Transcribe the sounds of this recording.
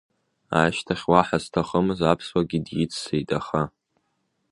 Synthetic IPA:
a̰ʃtʰaχʲwaħaztʰaχəmɨzapʰswaɡʲidjɪt͡sʰʼsejtʼaχa

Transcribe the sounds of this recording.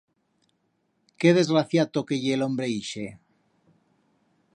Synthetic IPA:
keðe̞zɣɾaθjat̪okeʝeːlombɾeiʃe

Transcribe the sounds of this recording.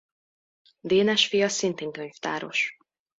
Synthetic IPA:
d̪eːnɛʃfijɒsint̪eːŋkøɲft̪aːɾo̞̰ʃ

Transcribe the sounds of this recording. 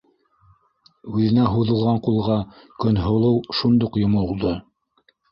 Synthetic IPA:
ʉðɘ̆næɦuðɤ̆lˠʁɑɴqulˠʁɑ | kɵnɦŏlˠɤwʃund̪uqjŏmŏlˠd̪ɤ

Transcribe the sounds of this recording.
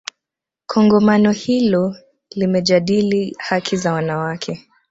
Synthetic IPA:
kʰɔŋɡɔmanɔhilɔ | limɛʄaɗilihakʰizawanawakʰɛ

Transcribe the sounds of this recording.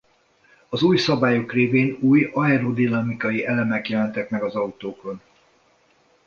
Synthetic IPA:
ɒzuːjsɒbaːjo̞kreːveːnuːjɒɛɾod̪inɒmikɒjiʔɛlɛmɛkjɛlɛnt̪ɛkmɛɡɒzɒut̪oːko̞n

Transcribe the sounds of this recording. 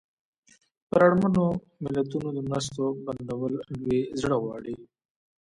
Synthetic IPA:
pəɾaɽmano | mɪlat̪unod̪əmɾas̬t̪oband̪awəlanwezɽawɑ̰ːɽi

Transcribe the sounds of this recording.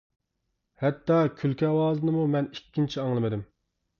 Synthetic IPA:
hɛt̪ːɑkʲʰylkʲɛwɑːzɨnɨmumɛnikʲːint͡ʃʰiɑŋlˠɨmɨd̪ɪm

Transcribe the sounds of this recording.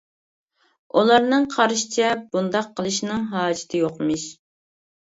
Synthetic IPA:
ulˠɑɾnɨŋqʰɑɾʃi̥t͡ʃʰɛbund̪ɑqʰːəlˠɨʃnɨŋɦɑːd͡ʒɪ̥t̪ʰɨjoqmɨʃ

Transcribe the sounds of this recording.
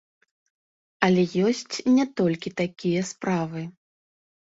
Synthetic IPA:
ɐlʲɛjɔsʲt͡sʲnʲɛt̪ɔlʲkʲit̪akʲijɐspɾavɨ

